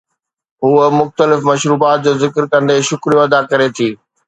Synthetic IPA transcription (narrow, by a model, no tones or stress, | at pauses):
ɦuːəmʊxt̪əlɪfmɐʃɾuːbaːt̪̚d͡ʑoːzɪkɾkɐ̃nd̪eʃʊkɾijoɐd̪akɐɾet̪ʰiː